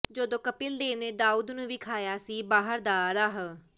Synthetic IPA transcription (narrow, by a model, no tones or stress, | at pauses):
d͡ʒoːd̪õːkəpɪld̪eːʋneːd̪aːuːd̪nũːʋiːkʰaːjaːsiːbaːɦəɾd̪aːɾaɦ